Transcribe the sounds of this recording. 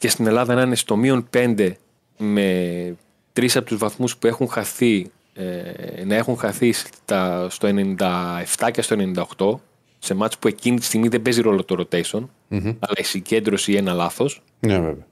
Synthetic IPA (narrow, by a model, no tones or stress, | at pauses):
ce̞st̪ine̞lɐðɐenɐnest̪o̞mio̞npe̞nd̪e̞ | me̞ | t̪ɾisɐpot̪uzvɐθmuspue̞xuŋxɐθi | enɐe̞xuŋxɐθist̪ɐst̪o̞e̞nenind̪ɐe̞ft̪ɐce̞st̪oe̞ne̞nind̪ɐoxt̪o̞ | se̞mɐt̪ispue̞cinit̪ist̪iɣmiðe̞be̞ziɾo̞lot̪oɾo̞t̪e̞seo̞n | ɐlɐisiɲɟe̞nd̪ɾo̞sie̞nɐlɐθo̞s | nevḛveɐ